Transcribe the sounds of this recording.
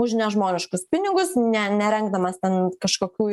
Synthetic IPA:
ʊʒʲnʲɛʒmoːnʲɪʃkʊspʲɪnʲɪɡʊsnʲɛnʲɛɾʲɛŋɡ̚d̪ɐmɐst̪ʲɛnkɐʃkoːkʲuː

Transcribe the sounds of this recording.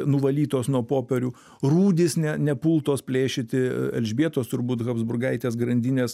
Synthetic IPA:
nʊʋɐlʲiːt̪oːsnuɔpoːpʲɛɾʲʊː | ruːd̪ʲɪsnʲɛnʲɛpulˠt̪oːspʲlʲeːʃʲɪt̪ʲɪɛ̰lʲʒʲbʲiɛt̪oːst̪ʊɾbuːt̪ɣɐbzbʊrɡɐɪt̪ʲeːs̬ɡɾɐnʲd̪ʲɪnʲeːs

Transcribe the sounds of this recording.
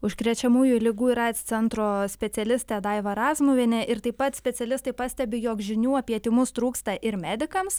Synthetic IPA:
ʊʃkɾʲɛt͡ʃʲɛmuːjʊlʲɪɡuːiɾɑɪt̪st̪sʲɛnt̪ɾoːsʲpʲɛt̪ʲɛlʲɪsʲt̪ʲɛd̪ɑɪʋɐɾɑːzmʊʋʲɪnʲɛʔɪɾt̪ɐɪpːɐt̪sʲpʲɛt̪sʲɛlʲɪst̪ɐɪpɑsʲt̪ʲɛbʲɪjoːkʒʲɪnʲuːɐpʲiɛt̪ʲɪmʊst̪ɾuːkst̪ɐʔɪɾmʲæːd̪ʲɪkɐms

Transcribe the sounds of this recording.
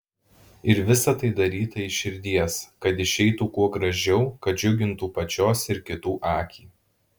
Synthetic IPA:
ɪɾʋʲɪsɐt̪ɐɪd̪ɐɾʲiːt̪ɐɪʃʲɪɾʲd̪ʲiɛskɐt̪ɪʃʲɛɪt̪uːkuɔɡɾɐʒʲɛʊkɐt̪̚d͡ʒʲʊɡʲɪnt̪uːpɐt͡ʃʲoːsɪɾkʲɪt̪uːʔɑːkʲiː

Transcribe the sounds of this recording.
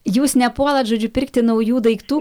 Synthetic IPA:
juːsnʲɛpuɔlˠɐt̪ʒoːd͡ʒʲʊpʲɪɾʲkt̪ʲɪnɒʊjuːd̪ɐɪkt̪uː

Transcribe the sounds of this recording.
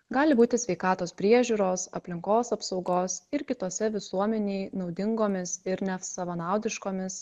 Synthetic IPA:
ɡɑːlʲɪbuːt̪ʲɪsʲʋʲɛɪkɑːt̪oːspʲɾʲiɛʒʲuːɾoːsɐ̰pʲlʲɪŋkoːsɐpsɒʊɡoːsɪɾkʲɪt̪oːsʲɛʋʲɪsuɔmʲɛnʲeːjnɒʊd̪ʲɪŋɡoːmʲɪsɪɾnʲɛfsɐʋɐnɑˑʊd̪ʲɪʃkoːmʲɪs

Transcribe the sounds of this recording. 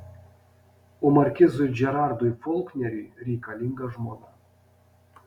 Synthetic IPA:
ʊmɐɾʲkʲɪzʊjd͡ʒʲɛɾɑˑɾd̪ʊjfɔlˠknʲɛɾʲɪːɾʲɛɪkɐlʲɪŋɡɐʒmoːnɑ

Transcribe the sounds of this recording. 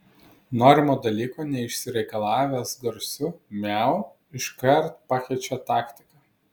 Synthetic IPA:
noːɾʲɪmoːd̪ɐlʲiːkoːnʲɛɪʃʲsʲɪɾʲɛɪkɐlˠɑːʋʲæsɡɐɾʲsʲʊmʲɛˑʊ | ɪʃkɐɾt̪pɑkʲɛɪt͡ʃʲɛt̪ɑːkʲt̪ʲɪ̥kɑ

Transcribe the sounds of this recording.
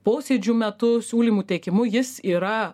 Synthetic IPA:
poːsʲeːd͡ʒʲuːmʲɛt̪ʊsʲuːlʲiːmuːt̪ʲɛɪkʲɪmʊjɪsiːɾɐ

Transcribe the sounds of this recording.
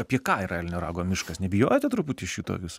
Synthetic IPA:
ɐpʲiɛkɑːiɾɐɛlʲnʲɛɾɑ̰ːɡoːmʲɪʃkɐsnʲɛbʲɪjoːjɛt̪ʲɛt̪ɾʊput̪ʲɪʃʲiːt̪o̰kʲɪs

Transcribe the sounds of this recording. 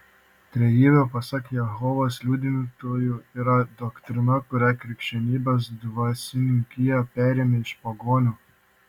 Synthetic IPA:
t̪ʲɾʲɛjiːʋʲɛpɐsɐkjɛɦɔʋoːslʲuːd̪ʲɪnʲt̪oːjuːiːɾɐd̪ɔkt̪ʲɾʲɪnɐkʊɾʲækɾʲɪkʃʲɛnʲiːbʲɐs̬d̪ʋɐsʲɪnʲɪŋkʲɪjɛpʲæːɾʲeːmʲɛɪʃpɐɡoːnʲuː

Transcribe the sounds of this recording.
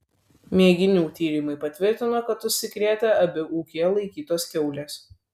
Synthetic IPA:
mʲeːɡʲɪnʲuːt̪ʲiːɾʲɪmɐɪpɐt̪ʲʋʲɪɾʲt̪ʲɪnoːkɐt̪ʊʃʲsʲɪkɾʲeːt̪ʲɛɐbʲɪʔuːkʲiɛlˠɐɪkʲiːt̪oːskʲɛʊlʲeːs

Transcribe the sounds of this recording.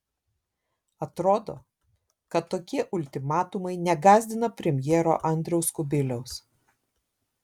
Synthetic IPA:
ɐt̪ɾoːd̪o̰ː | kɐt̪ːoːkʲiɛʔʊlʲt̪ʲɪmɑːt̪ʊmɐɪnʲɛɡɑːzʲd̪ʲɪnɐpʲɾʲɛmʲjɛːɾo̰ːʔɐnʲd̪ʲɾʲɛʊskʊbʲɪlʲɛʊs

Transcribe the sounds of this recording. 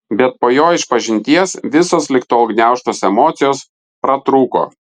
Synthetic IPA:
bʲɛt̪̚poːjoːɪʃpɐʒʲɪnʲt̪ʲiɛsʋʲɪsoːslʲɪkt̪oːɐʊɡnʲæˑʊʃt̪oːsɛmoːt̪sʲɪjoːs | pɾɐt̪ɾuːko̰ː

